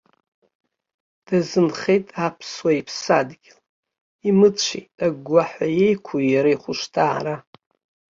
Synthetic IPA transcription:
d̥azɨnχejtʼapʰswaipʰsadɡʲɪl | imɨt͡ɕʷʰḛtʼaɡʷːaħaje̞jkʷʰujaɾaiχʷʊʂtʰaʕa̰ɾa

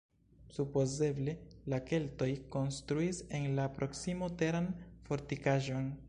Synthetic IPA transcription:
supo̞ze̞ble̞lake̞lto̞jko̞nstɾuise̞nlapɾʔo̞ksimote̞ɾanfo̞ɾtikaʒo̞n

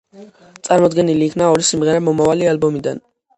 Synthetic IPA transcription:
t̪sʼaɾmɔd̪ɡɛniliːkʰnaɔɾisimʁɛɾamɔmavalialbɔmid̪a̰n

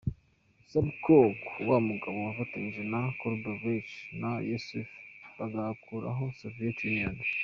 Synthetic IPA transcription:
sabkokwamuɡaβowafatinʒinakoɾbovit͡ʃnajosufaɡakʰuɾa̰ɦosovietjunijan

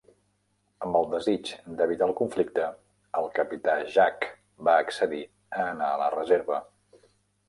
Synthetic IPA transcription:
əmbəlˠd̪əzit͡ʃd̪əβ̞it̪alˠkuɱflik̚t̪ə | əlˠkəpit̪aʒak | baəksəði | əːnaələrəzeɾβə

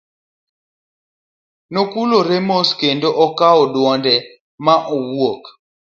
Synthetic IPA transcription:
nokuloɾemoskendoʔɔkaɔdwɔndɛ | maʔowwok

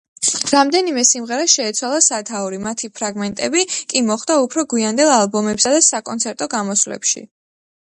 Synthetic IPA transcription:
ɾamd̪ɛnimɛsimʁɛɾaʃɛːt̪sʰwalˠasat̪ʰauɾimat̪ʰipʰɾaɡmɛnt̪ʼɛbikʼimɔχd̪̥aupʰɾɔɡwiand̪ɛlˠalˠbɔmɛpsad̪asakʼɔnt̪sʰɛɾt̪ʼɔɡamɔslɛ̰pʃḭ

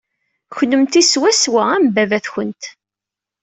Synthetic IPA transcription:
çlːəmt̪iswæswaæmbævæθçənt̪

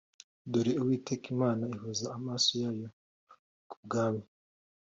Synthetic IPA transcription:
doɾiuwiːtekimaːnaiɦuzaːmaːsojajo | kub̚ɡaːmi

